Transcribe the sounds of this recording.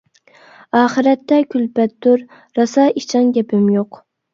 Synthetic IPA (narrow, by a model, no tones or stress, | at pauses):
ɑːχɨɾɛt̪ːɛkʲʰylpɛt̪ːʊɾ | ɾɑsɑːit͡ʃʰɑnɡʲɛpɪmjoq